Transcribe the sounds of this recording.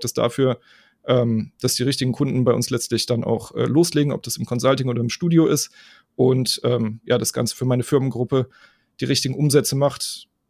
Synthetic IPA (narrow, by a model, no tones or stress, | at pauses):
d̥asd̥a̰fyːɐ | ʔɛːmd̥asd̥iːʁɪçtɪɡŋ̩kʰʊndn̩baɪʔʊ̰nslɛt͡stlɪçd̥ana̰ʊxʔɛ̰ːloːsleːɡŋ̩ʔɔ̰p̚d̥asɪmkʰɔnzaltɪŋoːdɐɪmʃtuːdjoʔɪst | ʔʊntʔɛːmja̰ːdasɡ̥a̰nt͡sə̥fyːɐmaɪnəfɪɐmənɡʁʊpə | d̥iːʁɪçtɪɡŋ̩ʔʊmzɛt͡səmaχt